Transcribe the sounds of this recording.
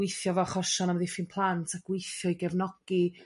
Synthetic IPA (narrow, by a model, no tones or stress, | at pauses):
ɪjθjɔvɔaχɔʃɔnamðɪfɪnpʰlˠantʰaɡ̥wɪjθjɔiɡɛvnɔɡ̥i